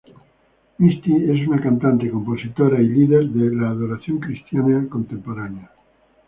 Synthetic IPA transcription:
mist̪ies̬unakant̪ant̪ekomposit̪oɾailiðeɾðelaːðoɾaθjoŋkɾist̪janakõnt̪ẽmpoɾanea

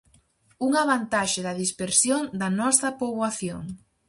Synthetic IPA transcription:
uŋaβant̪aʃɪðɐðispeɾsjoŋd̪ɐnɔsɐpoβwaθjoŋ

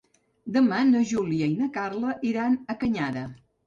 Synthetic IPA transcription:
d̪əmanəʒuliəinəkarləʔiɾanəkəɲaðə

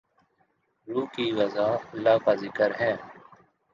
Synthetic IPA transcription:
ɾuːkiːwɐzaːlːaːkaːzɪkəɾɦɛ̃ː

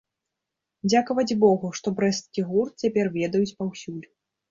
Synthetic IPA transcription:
d͡zʲakɐvɐd͡zʲbɔɣuʂt̪ɔbɾɛst̪kʲiɣurt̪̚t͡sʲapʲɛrvʲɛd̪ɐjut͡sʲpawsʲulʲ

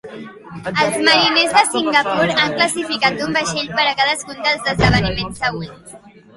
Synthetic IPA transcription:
əlˠzməɾinezðəsiŋɡəpuɾaŋkləsifikat̪umbəʃeʎpəɾəkaðəskund̪əlˠzðəzðəβ̞ənimensːəɣ̞wens

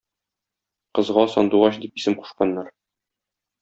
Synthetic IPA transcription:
qɤ̆zʁɑsɒ̰nd̪uʁɑɕd̪ipisɘmqu̥ʃqɑnːɑɾ

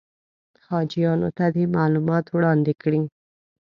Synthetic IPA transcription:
hɑd͡ʒijɑno̰t̪ad̪imalumɑt̪wɽɑnd̪ekɽi

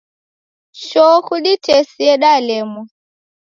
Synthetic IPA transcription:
ʃɔkuɗitɛsiɛɗalɛmɔ

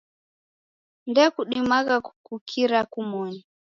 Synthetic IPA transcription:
ndɛkuɗimaɣakukukʰiɾakumɔni

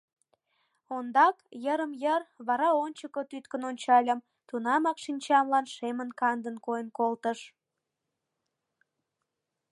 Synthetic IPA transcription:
ond̪ɑkjəɾəmjərβɑɾɑonʲt͡ɕəkot̪yt̪kənonʲt͡ɕɑlʲəm | t̪unɑmɑkʃinʲt͡ɕɑnlɑnʃemənkɑnd̪ənkojənkolt̪əʃ

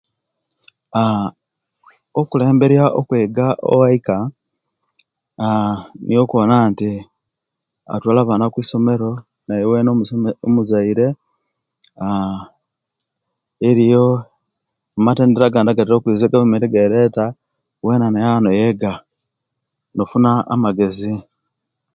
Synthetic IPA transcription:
a | okule̞ːmbe̞ɾjaʔo̰kweːɡaʔo̰waika | anʔijokwoːnaːnti | a̰twaːlaβaːnakwiːso̞me̞ɾo̞ | najowenoomuzaiɾe̞ | a | eɾijo | mateːndeɾaɡaːndaɡatiɾokwiːzeɡaβumetiɡeɾeːta | weːnanajanojeɡa | nofuna̰ːmaɡe̞zi

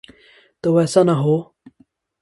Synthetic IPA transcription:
t̪oʋɛsanaɦo

